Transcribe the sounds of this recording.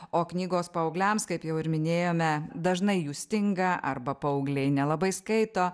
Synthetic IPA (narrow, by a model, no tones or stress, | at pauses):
oːknʲiːɡoːspɐɐʊɡlʲɛmskɐɪpjɛʊɪɾmʲɪnʲeːjoːmʲɛd̪ɐʒnɐɪjuːsʲt̪ʲɪŋɡɐʔɐ̰rbɐpɐʊɡlʲɛɪnʲɛlˠɐbɐɪskɐɪt̪oː